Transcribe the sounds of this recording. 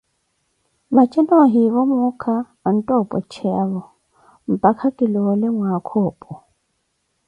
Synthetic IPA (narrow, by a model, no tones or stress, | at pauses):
bat͡ʃʼɛnɔɦiβɔmʊkʰa | n̩tʼɔpʼɔ̰t͡ʃʰɛaβɔ | m̩pʼakʰakʼɪlɔlɪŋwakʰɔːpʼɔ